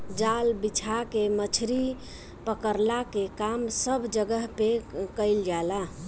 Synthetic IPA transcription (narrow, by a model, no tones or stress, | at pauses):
d͡ʒalbit͡ʃʰakemət͡ʃʰɾi | pəkəɾlakekamsəbʱd͡ʒəɡəɦpekəɪld͡ʒala